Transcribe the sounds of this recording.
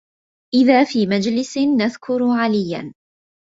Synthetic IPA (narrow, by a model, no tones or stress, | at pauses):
ʔɪðaːfiːmad͡ʒlɪsɪnːaðkʰʊɾʕalɪjːa̰n